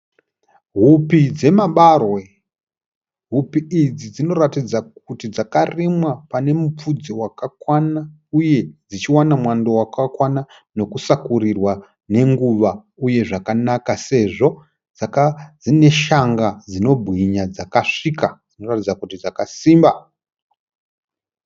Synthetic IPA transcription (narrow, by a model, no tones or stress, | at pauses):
ɦupid͡ze̞maɓarwe̞ | ɦupiid͡zid͡zino̞ratid͡zakutid͡zakarimwapane̞mup͡fud͡ziwakakwana | uje̞d͡zit͡ʃiwanamwandowakakwana | no̞kusakurirwa | ne̞ŋɡuʋa | uje̞ʐakanakase̞ʐo̞ | d͡zakad͡zine̞ʃaŋɡad͡zino̞bʱɣiɲad͡zakaʂikad͡zino̞ratid͡zakutid͡zakasiːmba